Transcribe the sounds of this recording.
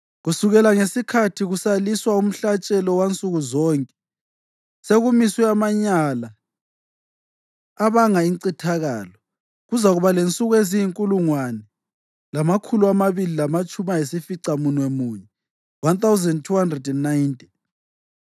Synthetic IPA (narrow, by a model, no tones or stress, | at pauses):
ɣusuɣɛlaŋesikʰatʰiɣusaliswaum̩ɬat͡ʃʼɛlɔwant͡sʼuɣuzɔːŋkʼɛ | seɣumisɛamaɲala | βaŋaiǀitʰaɣaːlɔ | ɣuzaɣuβalent͡sʼuɣuezijiŋkʼuluŋwanɛ | lamakʰuluamaβililamat͡ʃʼumajesifiǀamunwɛmuɲɛ | want̪awzɛndtʰuhandrɛdɛnːaintʼi̥n